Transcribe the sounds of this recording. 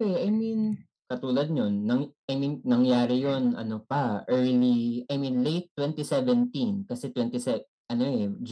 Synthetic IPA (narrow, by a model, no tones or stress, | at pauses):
ɛɐjmin | kɐt̪uːlɐd̪̚ɲonːɐŋʔɐjminːɐŋjaːɾɪjonɐ̰nopɐʔɛɹliɐjmĩnlejt̪ːwɛ̃nt̪isɛvɛnt̪inkɐsɛt̪wɛnt̪isɛ | ʔɐnoʔɛd͡ʒ